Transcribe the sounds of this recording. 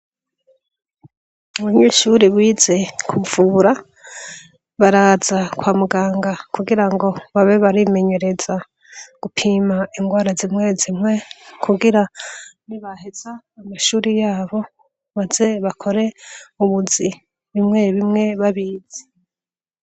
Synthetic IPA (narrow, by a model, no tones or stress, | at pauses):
uβuɲiːʃuɾiβwiːze̞kʰuvuːɾa | βaɾaːz̥akwaːmuɡaːŋɡakuɡiɾaŋɡo̞βaβe̞βaɾime̞ɲe̞ɾe̞za | ɡ̥upʰimaiŋɡwaːɾazimŋezimŋe̞kʰuɡiɾaniβahez̥aːmaʃuːɾijaːβo̞ | βazeβakʰo̞ɾe̞uβuzi | βimŋe̞βimŋe̞βaβiːze̥